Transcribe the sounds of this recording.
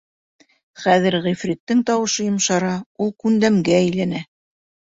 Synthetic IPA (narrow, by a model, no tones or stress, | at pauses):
χæðɘ̆ɾʁifɾʲit̪ːɘŋt̪ɑwɤ̆ʃɤjŏmʃɑɾɑulˠkʉnd̪æmɡææjlænæ